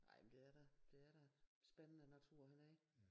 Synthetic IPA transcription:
nɑ̈ɪ̰mend̥e̝æɐɾ̥ɑd̥e̝æɐɾ̥ɑsb̥enənənæt͡sʰuɐ̰hænæɐeɡ̥

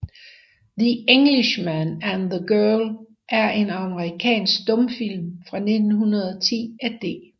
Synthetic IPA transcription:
ðie̝ŋliɕmænænðəɡ̥ɜɐl | ʔæɐʔe̝nɑ̈məʁikʰɛ̰ːnsɡ̥̚d̥ɔ̽mfil̰mfʁɑ̈ne̝d̥n̩ɦunɐð̞̩ˠɒt͡sʰḭːæd̥e̝̰ː

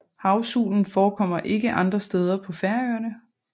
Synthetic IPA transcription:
hɑ̈ʊsṵːln̩fɒːkʰɒ̽m̰ɐʔe̝ɡ̥əʔɑ̈nd̥ʁɐsd̥eːð̞ˠɐpʰɒ̽fæɐøɐnə

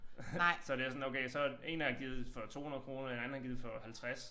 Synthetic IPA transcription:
sɒ̽d̥e̝æsɒ̽noʊkʰeɪsɒ̽e̝næɐɡ̥iːð̩ˠfɒ̽t͡sʰo̝̰ːhunɐðˠkʰʁo̝ːnɐenæn̩æɐɡiːð̩ˠfɒ̽hælt͡sʰʁas

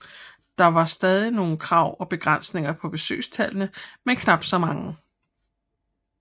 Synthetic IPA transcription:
d̥ɑ̈ʋɑ̈sd̥ɛːð̞ˠino̝ːn̩kʰʁɑ̈ʊ̰ɒ̽b̥e̝ɡ̥ʁɑan̰sne̝ŋɐpʰɒ̽b̥e̝sø̰ːst͡sʰælnəmenkʰnɑ̈b̥d̥sɒ̽mɑ̈ŋə

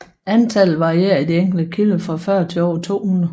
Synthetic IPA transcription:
ænt͡sʰælð̩ˠʋɑ̈ieɐ̰id̥ieŋ̰ɡ̥l̩d̥əkʰiləfʁɑ̈fɶɐ̰t͡sʰe̝ɒ̰ːt͡sʰo̝̰ːhun̩ˠ

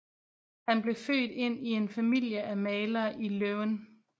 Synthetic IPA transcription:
hænb̥le̝fø̰ːd̥e̝n̰ie̝nfæmil̰jəʔæmɛːlɐːʔiløʊn

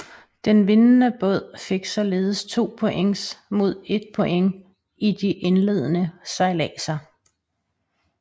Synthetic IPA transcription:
d̥enʋe̝nnəb̥ɔ̽ð̞̰ˠfe̝ɡ̥sɒ̽le̝ːðˠəst͡sʰo̝̰ːpʰo̽ʔeŋsmo̝ð̞̰ˠe̝d̥̚pʰo̽ʔeŋ | id̥iʔenle̝ð̞̰ˠənəsɑ̈ɪlɛːsɐ

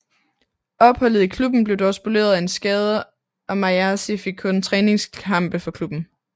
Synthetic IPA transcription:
ɒ̽b̥hɒ̽l̰ð̞̩ˠikʰlub̥n̩b̥le̝ʊd̥ɒsb̥ule̝̰ːɐðˠæe̝nsɡ̥ɛːð̞ˠɐ | ʔɒ̽mɑ̈æsife̝ɡ̥̚kʰɔ̽nt͡sʰʁɛːne̝ŋskʰɑ̈m̰b̥əfɒ̽kʰlub̥n̩

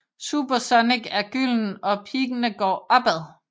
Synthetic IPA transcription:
sṵːb̥ɐsɒneɡ̥æɐɡ̥yl̰n̩ɒ̽pʰiːɡ̥ənəɡ̥ɒ̰ːʔɒ̽b̥æðˠ

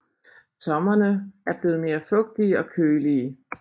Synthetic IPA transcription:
t͡sʰɒ̽mɐnəæɐb̥le̝ːð̞̩ˠme̝ːɐfɔ̽ɡ̥̚d̥iɒ̽kʰøːliː

